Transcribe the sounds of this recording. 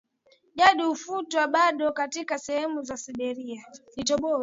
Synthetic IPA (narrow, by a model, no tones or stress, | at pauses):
ʄaɗiufutwaɓaɗɔkatikasɛhɛmuzasiɓɛɾiaɗitɔɓɔ